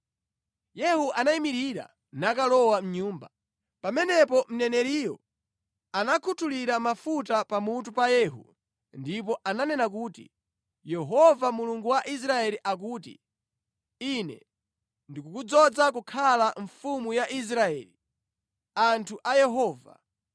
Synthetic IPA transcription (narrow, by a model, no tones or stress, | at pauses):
jɛhuʔanaimiɾiɾa̰ | nakalɔwam̩ɲuːmba | pamɛnɛpɔm̩nɛnɛɾiːjɔ̰ | anakʰutʰuliɾamafutapamut̬upajɛːɦṵ | ndip̬ɔʔananɛnak̬uːtḭ | jɛɦɔvamuluŋɡuwaʔis̬ɾaɛliʔak̬uːtḭ | inɛ̰ | ndikukud͡zɔd͡zak̬ukʰalaɱfumujaʔis̬ɾaɛːli | antʰuʔajɛɦɔːva̰